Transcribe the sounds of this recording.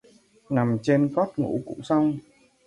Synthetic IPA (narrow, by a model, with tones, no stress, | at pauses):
na˨˩mt͡ɕe˧nkɔ˦˥t̚ŋṵ˧˥kṵ˧˥ŋ͡msa˧wŋ͡m